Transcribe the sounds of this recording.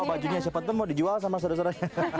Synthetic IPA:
bad͡ʒuɲas̬apat̪əmɔdid͡ʒuals̬amas̬ados̬əɾaɲa

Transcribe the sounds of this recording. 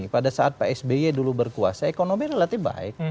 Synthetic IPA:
padasaat̪̚paɛsbeedulubərkua̰saekonobiɾelat̪ihba̰ɪ̰k

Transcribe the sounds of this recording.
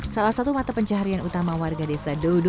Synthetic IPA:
salahsat̪umat̪apəɲt͡ʃaɦaɾianut̪amawarɡadesadod

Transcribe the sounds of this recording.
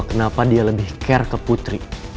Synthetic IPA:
kənapadialəbɪhkɛrkəput̪ɾi

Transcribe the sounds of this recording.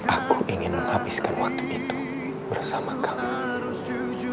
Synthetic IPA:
ʔakuʔiŋɪnməŋabiskanwak̚t̪uʔit̪u | bərsamakami

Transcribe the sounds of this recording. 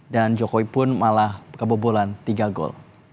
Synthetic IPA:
dand͡ʒokoipʊnmalahkəbobolant̪iɡaɡɔ̰l

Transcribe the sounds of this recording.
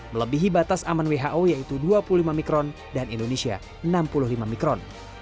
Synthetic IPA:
mələbiɦibat̪asamanweɦaʔojait̪uduapululimamikɾɔn | danindonesia̰ | ənampulʊhlimamikɾɔn

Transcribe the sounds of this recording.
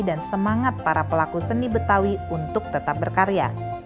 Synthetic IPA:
dansəmaŋat̪̚paɾapəlakusənibət̪awiunt̪ʊk̚t̪ət̪ap̚bərkaɾea̰

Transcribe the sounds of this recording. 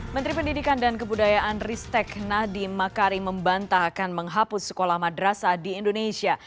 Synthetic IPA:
mənt̪ɾipəndidikandankəbudajaʔanrist̪ɛknadimakaɾiməmbant̪aːkanməŋɦapʊsːə̥kolahmadɾasadiːndonesia

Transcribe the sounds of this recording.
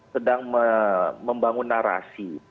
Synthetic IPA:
sədaŋməməmbaŋunːaɾa̰si

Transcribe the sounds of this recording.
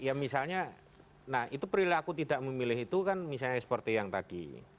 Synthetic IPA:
jamisalɲa | nahit̪upɾilakut̪idaʔməmilɪɦit̪ukanmisalɲaɛspɔrt̪ijaŋt̪ad̥ḭ

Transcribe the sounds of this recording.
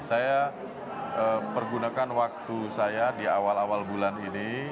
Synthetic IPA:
saja | əmərɡunakanwak̚t̪usajadiawalawalbulanini

